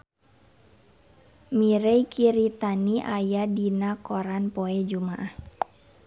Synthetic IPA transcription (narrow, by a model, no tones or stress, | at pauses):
miɾeikʰiɾit̪aniʔajadinakɔɾanpɔɛd͡ʒumaʔah